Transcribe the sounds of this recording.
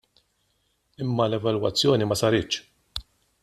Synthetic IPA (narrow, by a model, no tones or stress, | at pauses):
ɪmːɐlɛvɐlwɐt͡sːjɔːnimɐsɐɾɪt͡ʃ